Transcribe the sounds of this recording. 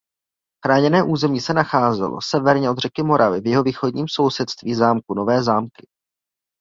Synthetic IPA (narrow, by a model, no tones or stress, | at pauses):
xɾaːɲɛnɛːʔuːzɛmɲiːsɛnaxaːzɛ̰lo̰sɛvɛɾɲɛʔo̞d̪r̝ɛkɪmo̞ɾʔavɪvjɛɦo̞viːxo̞dɲiːmso̞wsɛt̪st̪viːzaːmkuno̞vɛːzaːmkɪ̥